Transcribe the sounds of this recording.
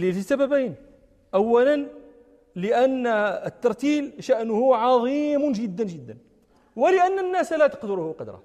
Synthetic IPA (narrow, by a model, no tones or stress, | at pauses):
lifisæbæbæjn | ʔæwːælən | ləʔænːət̪ːɑɾˤt̪ilʃæʔnʊhʊʕɑðˤimnʒəd̪ːənʒəd̪ːən | wəlɪʔænːənːæslæt̪ə̥qd̪ʊɾʊhʊqɑd̪ɾˤɑ̰